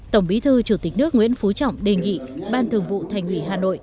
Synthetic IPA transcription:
t̪ə˧˩wŋ͡mɓi˨˦t̪ʰɨ˧t͡ɕu˧˩t̪i˨˩k̟̚nɨ˦˥k̚ŋwḭ˧˥ənfu˨˦t͡ɕɔ̰˧˨wŋ͡mɗe˨˩ŋḭ˧˨ɓaː˧nt̪ʰɨ˨˩əŋvṵ˧˨t̪ʰa˨˩jŋhwi˧˩ɦaː˨˩no̰˧˨jʔ

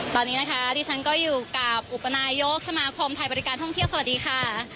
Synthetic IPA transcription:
t̪ɔː˧˩niː˦˥na˦˥kʰa˦˥diː˧t͡ɕʰa˦˥nkɔː˥˩juː˨˩ka˨˩p̚ʔu˨˩pːa˧naː˧jo˦˥k̚sa˧maː˧kʰo˧mt̪ʰa˧jbɔː˧ɾi˦˥kaː˧nt̪ʰɔ˥˩ŋt̪ʰsa˨wa˨˩diː˧kʰaː˥˩

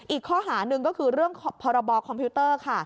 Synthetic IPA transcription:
ʔiː˨˩kʰːɔː˥˩ɦaː˩˦nɯ˨˧ŋkɔː˥˩kʰɯː˧ɾɯ˥˩əŋʰpʰɔː˧ɾa˧bɔː˧kʰɔ˧mpʰiː˦˥t̪ɤː˥˩kʰa˥˩

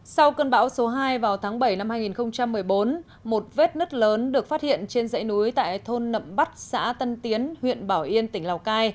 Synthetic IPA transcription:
sa˧wkəː˧nɓa̰ː˧˥wso˨˦ɦaː˧jvaː˨˩wt̪ʰaː˨˦ŋɓə˧˩jna˧mhaː˧jŋi˨˩nxə˧wŋ͡mt͡ɕa˧mːɨ˨˩əjɓo˨˦n | mo˨˩t̚ve˦˥t̚nɨ˦˥k̚ləː˨˦nɗɨ˨˩ək̚fa˦˥t̚hḭ˧˨ənt͡ɕe˧nzə̰˧˥jnu˨˦jt̪a̰ː˧˨jt̪ʰo˧nːə̰˧˨mɓa˦˥t̚sa̰ː˧˥t̪ə˧nt̪i˨˦ənhwḭ˧˨ənɓaː˧˩wʔi˧ənt̪ï˩ŋ̟laː˨˩wkaː˧j

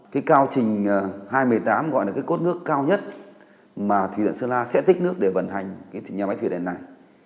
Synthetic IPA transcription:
kaː˨˦jkaː˧wt͡ɕï˨˩ŋ̟ː˨˩haː˧jmɨ˨˩əjt̪aː˨˦mɣɔ̰˧˨jlaː˨˩kaː˨˦ko˦˥t̚nɨ˦˥əkːaː˧wɲə˦˥t̚ | maː˨˩t̪ʰwḭ˨˩˨w̰ə̰˧˨nsɨː˧laː˧sɛ̰˧˥t̪ï˦˥k̟̚nɨ˦˥ək̚ɗe˧˩və˧˩nɦa˨˩jŋ̟kaː˨˦jt̪ʰɲaː˨˩ma˨˦jt̪ʰɨ˧˩˨ɗḛ˨˩nːa˨˩j

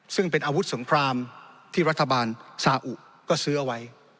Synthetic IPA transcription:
sɯ˥˩ŋpe˧nʔaː˧wu˦˥t̪̚so˩˦ŋkʰɾaː˧mt̪ʰiː˥˩ɾa˥t̪ʰːa˧baː˧nsaː˧ʔu˨˩ | kɔː˥˩sɯː˦˥ʔa˧wa˦˥j

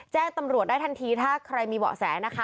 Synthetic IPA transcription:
t͡ɕɛː˥˩ŋt̪a˧mɾu˨˩t̪̚da˥˩t̪ʰa˧nt̪ʰiː˧t̪ʰaː˥˩kʰɾa˧jmiː˧bɔ̰ː˨˩sɛ̰ː˩˦na˦˥kʰa˦˥

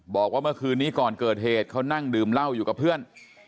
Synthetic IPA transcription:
bɔː˨˩k̚waː˥˩mɯ˥˩əkʰɯː˧nːiː˦˥˩kɔː˨˩nkɤː˨˩t̪̚heː˨˩t̪̚kʰa˦˥wna˥˩ŋdɯː˨˩mla˥˩wjuː˨˩ka˨˩pʰːɯ˥˩ən

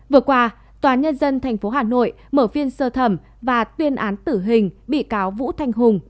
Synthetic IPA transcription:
vɨ˨˩əkwaː˧ | t̪waː˨˦nɲə˧nzə˧nt̪ʰɛ˨˩jŋ̟fo˨˦ɦaː˨˩no̰˧˨j | məː˧˩vi˧ənsəː˧t̪ʰə˧˩m | vaː˨˩t̪wi˧ənʔaː˨˦nt̪ɨ˧˩ɦï˨˩ŋ̟ɓḭ˧˨kaː˨˦wvṵ˧˥t̪ʰa˧jŋ̟ɦʊ˨˩ŋ͡m

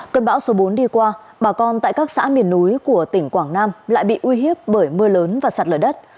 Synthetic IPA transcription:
kə˧nɓa̰ː˧˦wso˨˦ɓo˨˦nɗi˧kwaː˧ | ɓaː˨˩kɔ˧nt̪a̰ː˧˨jkaː˦˥k̚sa̰ː˧˥mi˨˩ənːu˨˦jku˧˩ət̪ï˧˩ŋ̟kwaː˧˩ŋnaː˧mla̰ː˧˨jɓḭ˧˨ʔwi˧ɦi˦˥əp̚ɓəː˧˩jmɨ˧ələː˨˦nvaː˨˩sa˨˩t̚ləː˧˩ɗə˦˥t̚

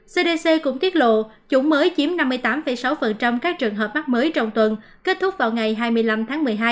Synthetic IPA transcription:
se˧ɗe˧se˧kʊ̰˧˥ŋ͡mt̪i˦˥ət̚lo̰˧˨ | t͡ɕʊ̰˧˥˦ŋ͡mməː˨˦jt͡ɕi˨˦əmna˧mːɨ˧əjt̪aː˨˦mfə˧˩jsa˨˦wfə˨˩nt͡ɕa˧mkaː˦˥k̚t͡ɕɨ˨˩əŋɦəː˨˩p̚ma˦˥k̚məː˨˦jt͡ɕɔ˧wŋ͡mt̪wə˨˩n | ke˦˥t̚t̪ʰʊ˦˥k͡p̚vaː˨˩wŋa˨˩jɦaː˧jmɨ˧əjla˧mt̪ʰaː˨˦ŋmɨ˨˩əjɦaː˧j

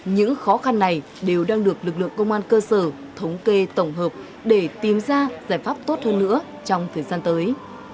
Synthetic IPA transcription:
ɲɨ̰˧˥ŋxɔ˨˦xa˧nːa˨˩j | ɗe˨˩wɗaː˧ŋɗɨ˨˩ək̚lɨ˨˩k̚lɨ̰˧˨əŋkə˧wŋ͡mʔaː˧nkəː˧səː˧˩ | t̪ʰə˨˦wŋ͡mke˧t̪ə˧˩wŋ͡mɦəː˨˩p̚ | ɗe˧˩t̪i˨˩mzaː˧zaː˧˩jfaː˦˥p̚t̪o˦˥t̚həː˧nːɨ̰˧˥ə | t͡ɕɔ˧wŋ͡mt̪ʰəː˨˩jzaː˧nt̪əː˨˦j

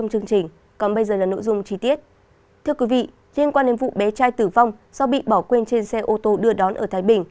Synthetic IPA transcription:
wŋ͡mt͡ɕɨ˧əŋt͡ɕï˨˩ŋ̟ | kɔ˨˩nɓə˧jzəː˨˩laː˨˩no̰˧˥˨jzʊ˧ŋ͡mt͡ɕi˧t̪i˦˥ət̚ | t̪ʰɨ˧əkwi˨˦vḭ˧˨ | li˧ənkwaː˧nɗe˨˦nvṵ˧˨ɓe˨˦t͡ɕaː˧jt̪ɨ˧˩va˧wŋ͡msɔ˧ɓḭ˧˨ɓɔ˧˩kwe˧nt͡ɕe˧nsɛ˧ʔo˧t̪o˧ɗɨ˧əɗɔ˨˦nʔəː˧˩t̪ʰaː˨˦jɓï˨˩ŋ̟

